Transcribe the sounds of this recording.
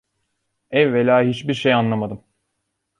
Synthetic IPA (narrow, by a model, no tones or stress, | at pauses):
ɛːelʲaːɦit͡ʃbiɾʃejanlˠamad̪ɯm